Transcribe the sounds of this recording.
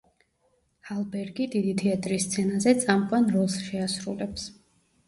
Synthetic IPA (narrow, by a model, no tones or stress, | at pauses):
halˠbɛɾɡid̪id̪it̪ʰɛat̪ʼɾist̪sʰɛnazɛt̪sʼamkʼwanɾɔlˠsʃɛasɾṵlɛps